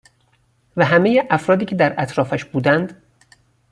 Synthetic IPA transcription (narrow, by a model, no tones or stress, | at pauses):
væɦæmejeʔæfɾɒːd̪iːcʲʰe̞d̪æɾʔæt̪ʰɾɒːfæʃbuːd̪ænd̪